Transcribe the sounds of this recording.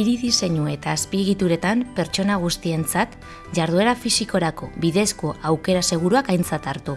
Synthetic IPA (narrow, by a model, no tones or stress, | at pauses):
iɾiðise̞ɲue̞t̪aːspieɣ̞it̪uɾe̞t̪ampe̞ɾt͡ʃo̞naɣ̞ust̪ie̞nt͡sat̪ | ʝaɾð̞ue̞ɾafisiko̞ɾako̞βiðe̞skoawke̞ɾase̞ɣ̞uɾuakajnt͡sat̪aɾt̪u